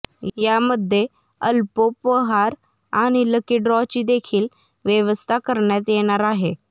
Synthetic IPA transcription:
jaməd̪ʱːe | əlpopəɦaɾ | aɽ̃iləkiɾɔt͡ɕiːd̪ekʰiːl | ʋjəʋəst̪ʰakəɾɳjat̪jeɽ̃aɾaɦe

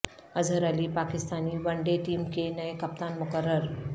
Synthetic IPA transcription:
əd͡zʱəɾaliːpakist̪aniːʋəɳɖeʈiːmkenəekɐp̚t̪anmʊkəɾːəɾ

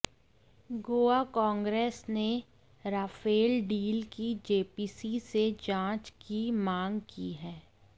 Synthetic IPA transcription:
ɡoːakɔ̃ːŋɡɾeːsne | ɾaːfeːlɖiːlkid͡ʒeːpiːsised͡ʒãːt͡ʃkimãːŋɡkḭɦɛː

